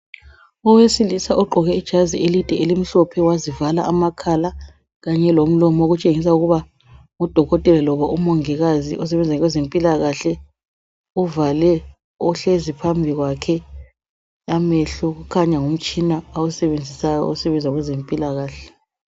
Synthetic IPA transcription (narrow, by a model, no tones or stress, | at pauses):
ɔwesilisaʔɔǃʱɔɣɛid̥ʒ̥ʱazielid̥ʱɛelim̩ɬɔpʰɛwazivalaʔamakʰala | ɣaɲɛlom̩lɔmɔoɣut͡ʃʼeŋis̬auɣuβa | ŋud̥ʱɔɣɔtʼɛlɛlɔβaʔumoŋiɣaziʔɔs̬ɛβɛnd͡zʱaɣwɛzempʼilaɣaɬɛ | uvalɛ | ɔɬezipʰambʱiɣwakʰɛ | amɛɬɔɣukʰaɲaŋum̩t͡ʃʼinaawusɛβend͡zʱisajɔ̰ɔsɛβɛnd͡zʱwaɣwɛzempʼilaɣaːɬɛ